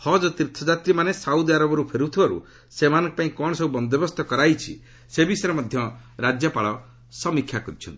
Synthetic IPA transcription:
hɔd͡ʒɔt̪iɾt̪ʰɔd͡ʒat̪ɾimanesauwd̪iaɾɔbɔɾupʰeɾut̪ʰibaɾṵ | semanɔ̃ŋkɔpaĩkɔɽɔsɔbubɔnd̪ɔbɔst̪ɔkɔɾajt͡ʃʰḭ | sebisɔɾɔmɔd̪ʱjɔ | ɾad͡ʒjɔpaɭɔ | sɔmikʰjakɔɾit͡ʃʰɔ̰nt̪i̥

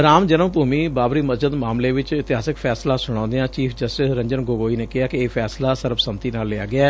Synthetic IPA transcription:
ɾaːmd͡ʒənəmbʱuːmiːbaːbɾiːməsd͡ʒɪd̪maːmleːʋɪt͡ʃɪt̪ɪaːsɪkpʰɛːslãːsʊɽ̃ãːnd̪eãːt͡ʃiːpʰd͡ʒəsʈɪsɾə̃ɲd͡ʒənɡoːɡoːiːneːkɪɦaːkɪeːpʰɛːslaːsəɾbsəmt̪iːnaːlːeːa̰ːɡɪaː

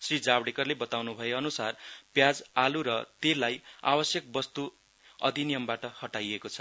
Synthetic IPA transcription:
srid͡zabɽekʌrlebʌt̪awnubʱʌjeʌnusarpjad͡zaluɾʌt̪elaja̰bʌsjʌk̚bʌst̪u | ʌ̰d̪ʱinijʌmbaʈʌhʌʈajekot͡sʰʌ̥

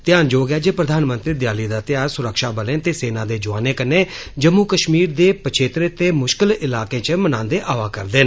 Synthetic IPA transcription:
t̪ɪjaːnd͡ʒoːɡɛːd͡ʒeːpɾəd̪aːnmə̃nt̪ɾiːd̪ɪjaːliːd̪aːt̪ɪjaːɾsʊɾəkʃaːbəlẽːt̪eːseːnãːd̪eːd͡ʒʊʋaːneːkənːeː | d͡ʒəmːukəʃmiːɾd̪eːpət͡ʃʰeːt̪ɾet̪eːmʊʃkɪlɪlaːkẽːt͡ʃəmənãːnd̪eːʔaːʋaːkəɾd̪eːn

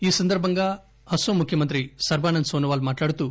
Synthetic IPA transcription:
iːsɐnd̪ɐɾbʱɐŋɡaː | hɐsoːmukʰjɐmɐnt̪ɾisɐɾbaːnɐnd̪soːnɐʋaːlmaːʈlaːɽut̪uː

